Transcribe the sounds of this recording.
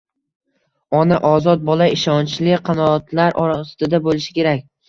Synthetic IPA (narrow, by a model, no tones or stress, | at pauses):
ɒnaʔɒzɒt̪̚bɒlaɪʃɒnt͡ʃlɪqʰɑnɒːt̪laɾʔɒɾasɪd̪abolɪʃɪ̥kʲe̞ɾak̚ʲ